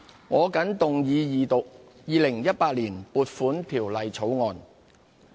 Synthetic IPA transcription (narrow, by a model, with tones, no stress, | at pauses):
ŋɔː˨˧kɐ˨˥nt̪ʊ˨ŋjiː˨˧jiː˨t̪ʊ˨k̚ | jiː˨˧lɪ˨˩ŋjɐ˥t̚paː˧t̚liː˨˩npuː˨t̚fuː˨˥nt̪ʰiː˨˩wlɐ˨jt͡sʰo˨˥wŋɔː˨n